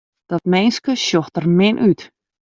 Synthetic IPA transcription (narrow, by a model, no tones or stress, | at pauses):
d̪̥ɔt̚mejnskəsjɔxtərmɪnʔyt